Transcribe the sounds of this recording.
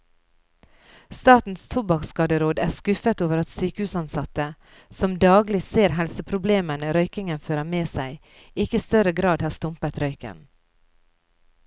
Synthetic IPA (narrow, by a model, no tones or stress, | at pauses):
st̪ɑːt̪n̩st̪ʰʊbɑkskɑːd̪əɾoːd̪æːskʉfət̪oːʋəɾɑt̪syːkəhʉːsɑnsɑt̪ə | sɔmd̪ɑːɡlɪseːɾɦɛlsəpʰɾʊbleːmənəɾœʏkɪŋənføːɾəmeːsæɪ | ɪkəist̪œɾəɡɾɑːd̪hɑːst̪ʊmpət̪ɾœʏkə̰n